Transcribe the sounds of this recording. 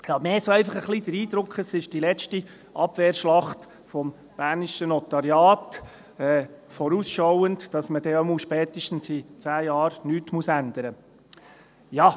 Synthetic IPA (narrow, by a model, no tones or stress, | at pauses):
jɑmeːsoæɪfɑχəχlid̥̪əɾiːd̥̪ɾʊkχəsɪʃd̥ilɛt͡ʃti | ʔɑb̥veːɾʃlɑχt | fɔm | b̥æːɾniʃənɔt̪ɑɾjɑːt | ɛːfɔɾuːsʃɔwəndd̥ɑsməd̥ɛomuʃpɛːt̪əʃtn̩sit͡sæːjɑːɾnyːtmusænd̪əɾə | jɑ